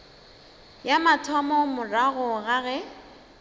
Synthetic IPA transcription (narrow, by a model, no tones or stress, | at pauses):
jamatʰamɔmʊraɣʊɣaɣɛ